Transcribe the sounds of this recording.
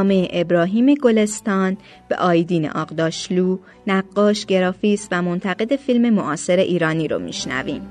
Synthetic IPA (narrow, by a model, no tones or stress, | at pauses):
meʔebɾɒːɦiːme̞ɡo̞le̞st̪ɒːn | b̥e̞̰ʔɒːjd̪iːnḛʔɒːqd̪ɒːʃluː | næɢːɒːʃɟ̥e̞ɾɒːfiːsvæmo̞nt̪ʰæɣe̞d̪e̞filme̞moʔɒːse̞ɾe̞ʔiːɾɒːniːɾo̰mḭʃnæ̰vḭːm